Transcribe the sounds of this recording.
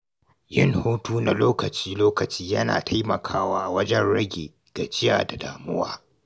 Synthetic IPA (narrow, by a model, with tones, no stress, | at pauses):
jɪ˦ŋhoː˦tuː˦na˨loː˦kɐ˨t͡ʃiː˦loː˦kɐ˨t͡ʃiː˦jɐ˦na̰ː˨tʰa˦jmɐ˨kʰaː˦waː˦ʔa˨wɐ˦d͡ʒɛ˦nɽɐ˦ɡʲḛ˨ | ɡ̥a˨d͡ʒɪ˦ja̰ː˨da˨daː˨mʊ˦waː˦